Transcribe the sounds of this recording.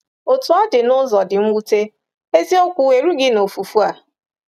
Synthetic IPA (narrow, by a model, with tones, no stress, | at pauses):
o˨tu˨ɔ˦dɪ˨nʊ˦zɔ˨dɪ˨m̩˦wu˦te˦ | e˦zi˦o˦kʷu˨we˨ɾu˦ɡɪ˦no˨fu˨fu˦a˨